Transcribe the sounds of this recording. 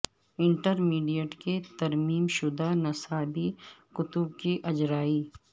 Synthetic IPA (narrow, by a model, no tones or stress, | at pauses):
ɪ̃ɳʈəɾmiːɖijəʈket̪ɐɾmiːmʃʊd̪anɐsaːbikʊt̪ʊb̚kiʔɐd͡ʒɾaːiː